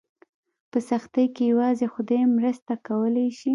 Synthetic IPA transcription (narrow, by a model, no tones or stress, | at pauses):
pəsaxt̪əjkejawɑzexʊd̪ajmɾəst̪akawəlajʃi